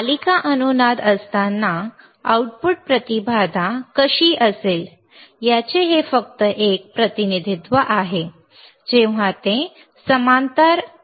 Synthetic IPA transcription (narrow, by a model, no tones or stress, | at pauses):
alikaʔənunad̪əst̪anːa | auʈ̚puʈ̚pɾət̪ibʱad̪ʱakəɕiːʔəsel | jat͡ɕeɦefək̚t̪əʔek̚pɾət̪inid̪ʱit̪ʋəʔaɦe | d͡ʑẽʋ̤at̪ẽ | səmant̪əɾ